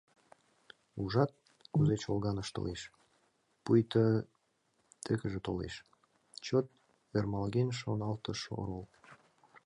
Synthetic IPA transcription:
uʒɑt̪̚ | kuzet͡ɕolɣɑnəʃt̪o̰leʃ | pujt̪ə | t̪ekəʒĕt̪olḛʃ | t͡ɕot̪̚ | ermɑlɣenʃonɑlt̪əʃo̰ɾol

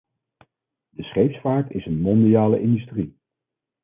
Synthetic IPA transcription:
dəsχejfsfaːɹtɪsənmɔndijaːlə̰ʔɪndystri

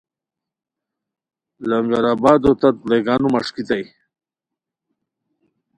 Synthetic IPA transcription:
lamɡaɾaːbaːd̪ot̪at̪̚leɡaːnumaʂkit̪aj

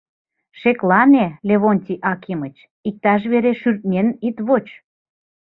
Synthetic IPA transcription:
ʃeklɑnelʲeβonʲt̪ʲiʔɑkimət͡ɕ | ik̚t̪ɑʃ̬βeɾeʃyrt̪̚nʲenit̪βot͡ɕ

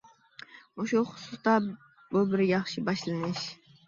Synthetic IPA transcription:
uʃuχʊ̥sʊst̪ɑ | bubɪɾjɑχʃɪbɑʃlˠɨnɪʃ

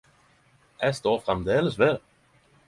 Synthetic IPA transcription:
æst̪oːfʁamd̪eːləsʋel

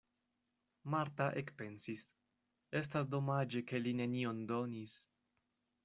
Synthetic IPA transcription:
maɾtaʔe̞kpe̞nsis | e̞stas̬do̞mad͡ʒe̞ke̞line̞nio̞ndo̞nis

